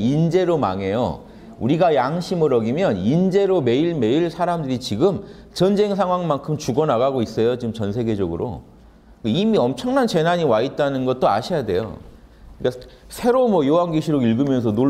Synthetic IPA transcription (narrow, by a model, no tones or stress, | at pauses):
ind͡ʑe̞ɾoma̰ŋe̞jo̰ | uɾiɡajaŋɕʰimɯɾʌɡimjʌnind͡ʑe̞ɾome̞iɭme̞iɭsʰaɾamdɯɾit͡ɕiɡɯm | t͡ɕʌnd͡ʑe̞ŋsʰaŋɦwaŋmankʰɯmt͡ɕuɡʌnaɣaɡois͈ʌjot͡ɕiɡɯmt͡ɕʌnsʰe̞ɡe̞d͡ʑʌɡɯɾʔo̰ | keimiʌmt͡ɕʰʌŋnant͡ɕe̞naɲiwait̚t͈anɯnɡʌt̚t͈oa̰ɕʰijade̞̰jo̰ | ɯik͈a | sʰe̞ɾomwʌjowaŋɡiɕʰiɾoiɭɡɯmjʌns̬ʰʌno